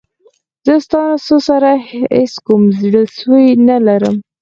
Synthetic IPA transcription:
z̥əst̪ɑnasosaɾaḛskumzɽəswujnalaɾəm

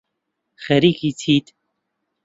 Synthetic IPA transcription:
xɛɾiːkit͡sʰiːt̪

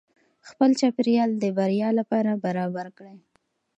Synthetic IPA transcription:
xpəlt͡ʃɑpɪɾjɑld̪əbaɾjɑlapɑɾabaɾɑbaɾkɽe

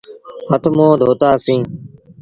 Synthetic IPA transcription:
hət̪ʰmõːd̪ʱoːt̪aːsĩː

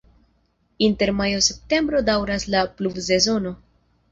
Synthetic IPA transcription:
inte̞ɾmajo̞se̞p̚te̞mbɾo̞dawɾaslaplubse̞zo̞no̞

